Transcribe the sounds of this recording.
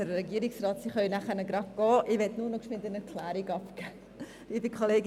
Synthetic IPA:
ɛɾɾɛɡiəɾɪksrɑːtsiχœʏnæχənəɡɾɑpɡ̥ɔːʔɪʋɛtnuːnɔkʃmɪndənɛɾkʰlæːɾiɡɑpkæː | liːbəkʰχoleːɡ

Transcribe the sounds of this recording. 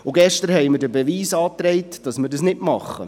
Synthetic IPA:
ʊɡɛʃtəɾhɛjmɪɾdəbəʋiːsɑːt̪ɾɛɪtd̥ɑsmɪɾdəsnɪtmɑχːə̰

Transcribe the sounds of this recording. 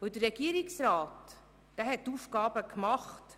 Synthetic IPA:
vəldərːɛɡ̥iːəɾiksraːt | d̥ɛːɦɛttːuːfɡɑːbəkmɑχt

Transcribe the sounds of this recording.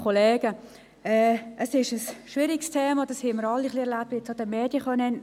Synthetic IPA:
koleːɡ̥ə | ɛəsɪʃəsʃʋɪɾɪkstʰeːmɑd̥ɑshiməɾɑlːiχliɛɾlap̚tʋjɛt͡sod̥ɛmeːd̥jəχœnən

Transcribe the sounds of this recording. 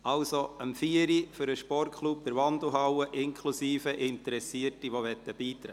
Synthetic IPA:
ɑlsoəmfiːəɾifʏɾəʃpɔrtkʰχlup̚d̥̪əɾʋɑndl̩ɦɑwəʔɪnkʰlusiːfəʔɪnt̪əɾɛsiərtiʋoʋɛt̪ːəb̥iːt̪ɾɛ

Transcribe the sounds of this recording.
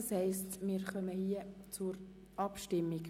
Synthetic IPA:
shɛɪstmɪːɾχœməhiət͡sʊɾ | ʔɑpʃtɪmːik

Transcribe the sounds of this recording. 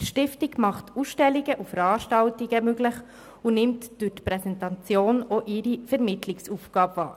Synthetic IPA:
ʃtɪftiɡmɑχtuːsʃtɛliɡəʔufəɾɑːɾʃtɑltiɡ̥əmøɡlɪχ | unɪmtd̥ʉtpɾɛsɛntɑt͡sjoːnɔʔɪɾifɛɾmɪtʰlɪksuːfɡ̥ɑːbvɑ̰ːɾ

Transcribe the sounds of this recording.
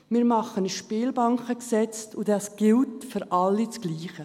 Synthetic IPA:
miːɾmɑχəniʃpiːlbɑŋkəksɛt͡stʰʊdɑsɡ̥ɪltfyɾʔɑlːit͡sɡ̥liːχə

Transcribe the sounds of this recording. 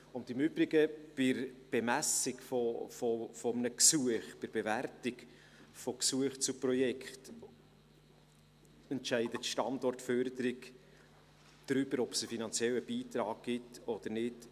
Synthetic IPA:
ʊntɪmʏbɾɪɡəb̥ɪɾb̥ɛmæsɪkfɔfɔfɔmənəksuəχpɪɾb̥ɛværtɪk | fɔksuəχt͡suprɔjɛkχt | ɛntʃɛɪdətʃtɑndɔrtfœrdəɾɪɡ | d̥ɾʏbəɾɔbsəfinɑnt͡sjɛləb̥iːtɾɑːk̚ɡ̥ɪtɔd̥̪əɾnɪt

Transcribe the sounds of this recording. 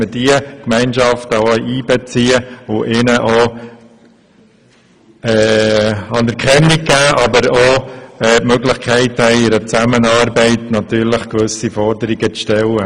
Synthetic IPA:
ədiəkmɛɪnʃɑftəoiːbɛt͡siːəʊʔɪnəʔo | ɛːɑnəɾkχɛnnikɡæːʔɑbəɾoɛːpmøɡlɪχkʰɛɪthɛɪɪɾət͡sæmənɑːɾbɛɪtnɑt̪yːɾləχkʋɵsifɔɾdəɾiɡət͡sʃtɛlə

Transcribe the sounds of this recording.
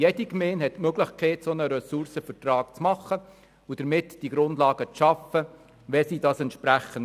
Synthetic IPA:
jɛdikmeːnhɛtmøɡlɪχkʰɛːtsonəɾɛsuɾsəfəɾtrɑːkt͡smɑχːə | ud̥əɾmɪtd̥iɡɾʊndlɑːɡ̥ət͡sʃɑfə | ʋɛsidɑːsɛntʃpɾæχən

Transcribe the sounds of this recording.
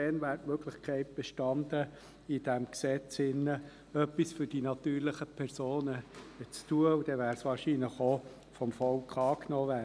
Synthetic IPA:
ɛnvæːɾtmøɡlɪχkʰɛɪt̚b̥ɛʃtɑndə | id̥æmksɛt͡sɪnːə | œpːisfʏɾd̥inɑt̪yːɾlɪχəpʰɛɾsoːnət͡stuəud̥ɛvæːɾsʋɑːɾʃinləχo | fɔmfɔlkχɑːknɔːvæː

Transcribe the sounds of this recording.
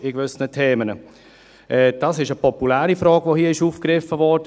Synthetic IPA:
ɪɡvʏsənətʰeːmənə | ʔɛːd̥ɑsɪʃəpʰɔpulæːɾifɾɔːɡ̥ʋohiːɪʃuːfkɾɪfːəvɔɾd̥ə

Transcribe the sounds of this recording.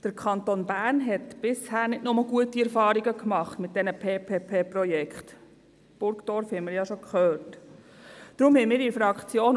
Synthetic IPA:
d̥əɾkʰɑntonbæːɾnɦɛtb̥ɪshæːɾnɪtnʊməlɡuətiɛɾfɑːɾiɡəkmɑχtmɪt̚d̥ɛnəpʰeːpʰeːpʰeːprɔjɛkχt | b̥ʊɾkd̥ɔɾfhɛməɾjɑʃokχœːt | d̥ɾʊmhɛɪmiːɾifɾɑkχt͡sjoːn

